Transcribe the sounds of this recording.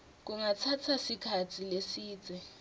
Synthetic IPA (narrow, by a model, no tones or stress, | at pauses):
k̬uŋat͡sʰatʰasikʰatʰilesiːt͡sɛ